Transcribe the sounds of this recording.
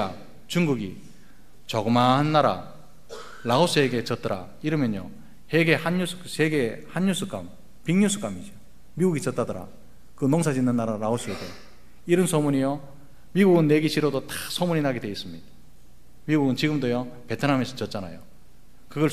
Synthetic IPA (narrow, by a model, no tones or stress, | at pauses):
a | t͡ɕuŋɡuɡi | t͡ɕʌɡɯmaɦanːaɾa̰ | laos͈ʰɯe̞ɡe̞t͡ɕʌt͈ʌɾa̰ | iɾɯmjʌɲjo̰ | he̞ɡe̞hanjusʰu̥ksʰe̞ɡe̞hanjusʰuk͈am | piŋɲusʰu̥k͈amid͡ʑo | miɡuɡit͡ɕʌt͈adʌɾa̰ | kɯnoŋs̬ʰad͡ʑinːɯnːaɾalaos͈ʰɯeɡe | iɾʌnsʰomuɲijo | miɡuɡɯnːe̞ɡiɕʰiɾodot͈ḁsʰomuɲinaɡedwe̞is͈ɯmɲida | miɡuɡɯnt͡ɕiɡɯmdojope̞tʰɯnɦamesʰɯt͡ɕʌt̚t͡ɕ͈ana̰jo̰ | kɯɡʌ